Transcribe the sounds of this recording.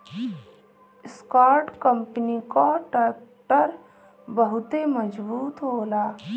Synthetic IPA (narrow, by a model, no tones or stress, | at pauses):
skaːɾʈkəmpnikaʈəʈəɾ | bəɦʊt̪eməd͡ʒbuːt̪ɦoːlaː